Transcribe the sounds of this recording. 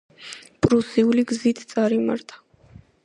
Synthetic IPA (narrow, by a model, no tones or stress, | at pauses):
pʼɾusiuliɡzit̪ʰt̪sʼaɾima̰ɾt̪ʰḁ